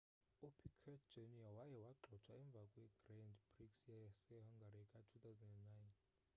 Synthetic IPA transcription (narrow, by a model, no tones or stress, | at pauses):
upʰikʰɛd͡ʒeniawajɛwaǃʱɔt͡ʃʰwaɛɱb̪vʱakʼwɛɡ̥randbʼriksiasɛɦaŋɡʱaɾikʼatʰut̪ʰawzɛndɛnːajn